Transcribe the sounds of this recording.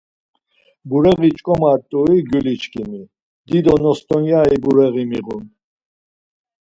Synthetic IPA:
buɾɛɣit͡ʃʼkʼɔmat̪ʼuiɡylit͡ʃkʰimi | d̪id̪ɔnɔst̪ɔnjaibuɾɛɣimiʁun

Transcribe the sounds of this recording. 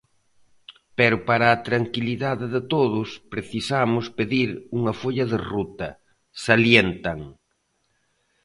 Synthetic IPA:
pɛɾʊpaɾɐːt̪ɾaŋkiliðaðɪðɪt̪oðʊspɾeθisamʊspeðiɾuŋɐfoʎɐðɪrut̪ɐ | saljent̪ɐŋ

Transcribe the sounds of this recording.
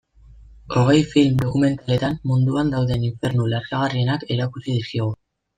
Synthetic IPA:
o̞ɣ̞e̞jfilmd̪o̞kume̞nt̪ale̞t̪anːund̪uand̪awðe̞niɱfe̞ɾnulaɾkaɣ̞arie̞nakeɾakusið̞iskiɣ̞u

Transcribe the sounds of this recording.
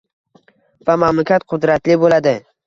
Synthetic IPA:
vamamlakʲʰat̪qʰʊd̪ɾat̪lɪbolad̪ɪ

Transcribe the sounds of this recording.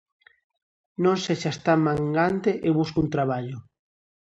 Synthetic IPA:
nõnseʃast̪amãŋɡant̪eʔeβuskunt̪ɾaβ̞aʎo

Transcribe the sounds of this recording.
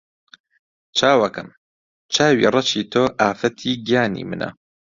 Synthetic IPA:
t͡ʃʰaːwɐkɐm | t͡ʃʰaːwḭːrˤɑt͡ʃit̪ʰoːʔaːfɐt̪ʰiːɡjaːnḭːmɨnʔɐ̰

